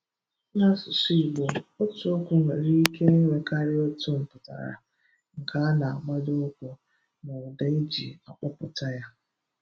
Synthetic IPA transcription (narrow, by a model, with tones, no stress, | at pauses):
na˦sʊ˨si˦i˨ɡ͡bo˨o˦tʊ˦o˦kʷʊ˨n̩˨ɾi˦ke˦wʷe˨kʰa˦ɾɪ˦o˦tʊ˦m̩˨pʊ˨ta̰˨ɾa̰˨ | ŋ̩˨ka˦na˨a˨ɡ͡ba˦do˦o˦kʷʊ˨ | na˨ʊ˨da˨i˦d͡ʒi˨a˨k͡pa˦pʊ˨ta˦ja˦